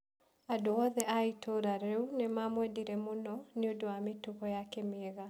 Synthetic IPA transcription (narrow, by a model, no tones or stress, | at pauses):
adoɔðɛaitoɾaɾɛunemamwɛdiɾɛmonɔneodowametuɣɔjakɛmeːɣa